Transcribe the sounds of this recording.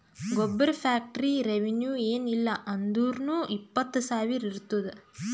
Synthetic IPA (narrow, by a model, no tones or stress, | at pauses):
ɡɔbːɐɾɐpʰaːk̚ʈɐɾiɾeʋenjuːeːnilːɐʔɐnd̪uːɾnuʔipːɐt̪ːɐsaːʋiɾiɾut̪ːud̪e